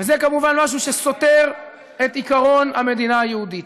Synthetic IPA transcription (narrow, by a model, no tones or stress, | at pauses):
vezekamuvanmaʃ̬uʃeso̞te̞ʁ | etikaʁo̞name̞d̪inaajehudit